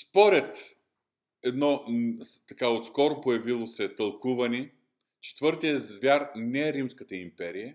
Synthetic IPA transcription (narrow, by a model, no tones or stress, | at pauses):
spɔɾɛt̪ | ɛd̪nɔt̪ɐkaot̪skɔɾopojɐvilˠosɛt̪ɐlˠkuvɐni | t͡ʃɛ̥t̪vɤɾt̪ijəzvʲjaɾnɛɛɾimskət̪əimpɛɾijə